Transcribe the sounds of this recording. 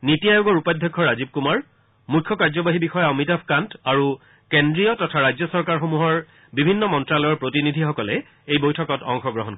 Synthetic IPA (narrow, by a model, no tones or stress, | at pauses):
nitijajoɡɔɹupadʱjɔkʰːɔɹazib̚kumaɹ | mujkʰːɔkaɹzɔbaɦibixɔjamitapʰkantaɹu | kendɹijɔtɔtʰaɹajd͡ʑzɔsɔɹkaɹxomuɦɔɹ | bibʱinːɔmɔntɹalɔjɔɹpɹotinidʱixɔkɔlɛ | ejbojtʰɔkɔtɔŋxɔɡɹɔɦɔnkɔ